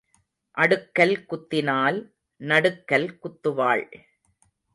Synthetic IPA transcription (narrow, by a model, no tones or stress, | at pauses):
ʔɐɽɯkːɐlkʊt̪ːɪnaːl | nɐɽɯkːɐlkʊt̪ːɯʋaːɭ